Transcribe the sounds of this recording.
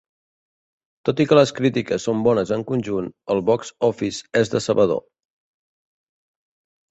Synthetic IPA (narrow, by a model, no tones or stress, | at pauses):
t̪ot̪ikələskɾit̪ikəsːombɔnəzəŋkunʲʒunəlˠβɔksɔfisezðə̰səβəðo̰